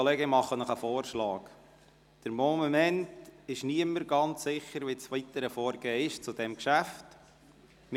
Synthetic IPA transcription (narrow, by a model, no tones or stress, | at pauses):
olɛːɡəmɑχːənɔχəfɔːɾʃlɑːk | d̥əɾmɔːmmɛntɪʃniəməɾɡɑnt͡ssɪχəɾʋit͡sfit̪əɾəfɔːɾɡeːəɪʃt͡sud̥ɛmkʃæft | m